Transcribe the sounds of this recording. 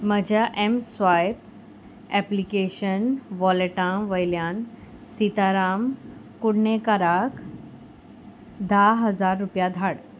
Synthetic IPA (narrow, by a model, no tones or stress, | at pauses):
m̤əd͡ʑʱjaʔemsʋajp | ɛplikeɕənʋɔleʈãʋəjljãn | sit̪aɾamkuɽɳekəɾak | d̪ʱaɦəd͡zaɾːupjad̪ʱaɽ